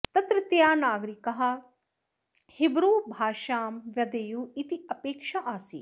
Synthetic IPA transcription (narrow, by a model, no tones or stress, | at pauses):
t̪ɐt̪ɾɪt̪jaːnaːɡɾikɐɦɐ | hɪbɾuːbʱaːʃaːmʋjɐd̪eːjuːit̪iɐpeːkʃaʔaːsḭː